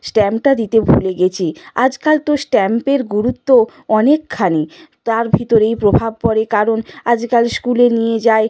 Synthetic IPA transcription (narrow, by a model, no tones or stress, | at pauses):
sʈɛmpʈad̪it̪ebʱuleɡet͡ɕʰia̰d͡ʑkalt̪osʈɛmpeɾɡuɾut̪ːo | ɔnekʰːanit̪aɾbʱit̪oɾejpɾobʱab̚pɔɾekaɾonad͡ʑkalskulenijed͡ʑae